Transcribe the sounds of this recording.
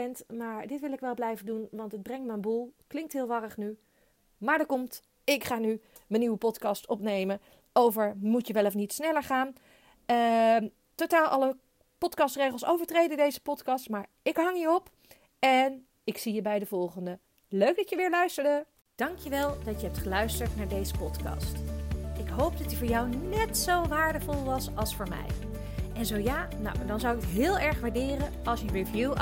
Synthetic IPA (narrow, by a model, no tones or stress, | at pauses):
ɛntmaːɹdɪtʋɪlˠɪkʋɛlˠblɛjvəndunʋɑntəd̚brɛŋtməənbulˠklɪŋk̚tɦɪːlˠʋɑrəχny | maːɹdəkɔmt | ɪkχaːny | mənːiʋəpɔtkɑstɔpnejmə | owvəɹmutjəʋɛlɔf̬nitsnɛləɹχaːn | ə | totaːlˠʔɑ̰lə | pɔtkɑstrejχəlˠsowvəɹtrejdəndejzəpɔtkɑstmaːɹ | ɪkɦɑŋiɹɔp | ɛn | ɪksijəbɛjdəvɔlˠχəndə | løɥɡ̚dɑtjəʋɪːɹlœɥstəɹdə | d̥ɑŋkjəʋɛlˠd̥ɑtjəɦɛp̚tχəlœɥstəɹtnaːɹdejzəpɔtkɑ̰stɪkɦowp̚dɑtivʊːɹjɑwnɛtsowʋaːɹdəvɔlˠʋɑsɑlˠsfʊːɹmɛ̰j | ʔɛnzowjaː | na̰wdɑnzʌwɪkətɦɪːlˠɛɹχʋaːɹdɪːrənɑlˠsjəɹivju